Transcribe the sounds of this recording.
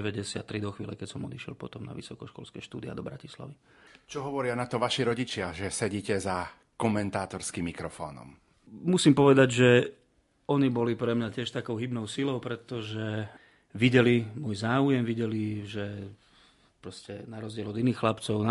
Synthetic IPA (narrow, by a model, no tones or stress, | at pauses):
ɛʋɛɟɛsɪat̪ːɾid̪ɔxʋiːlɛkɛcsɔmɔd̪iʃɪɛ̰lpɔt̪ɔmna̰ʋḭsɔkɔʃkɔ̰lskɛːʃt̪ṵːd̪ia̰d̪ɔbɾacisla̰ʋi | t͡ʃɔɦɔʋɔɾɪanat̪ɔʋaʃiɾɔɟit͡ʃɪaʒɛsɛɟiːcɛza | kɔmɛnt̪aːt̪ɔɾskimːikɾɔfɔ̰ːnɔ̰m | musiːmpɔʋɛd̪aɟʒɛ | ɔɲibɔlipɾɛmɲacɪɛʃt̪akɔʊɦibnɔʊsilɔʊpɾɛt̪ɔʒɛ | ʋiɟɛlimʊɔjzaːujɛmʋiɟɛliʒɛ | pɾɔscɛnaɾɔzɟɪɛlɔd̪iniːxlapt͡sɔʊna